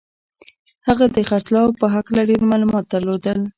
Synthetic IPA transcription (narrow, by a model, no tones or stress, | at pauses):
haɣad̪əxaɾt̪lɑwpəɦaklaɖeɾmɑlumɑt̪̚d̪əɾlod̪əl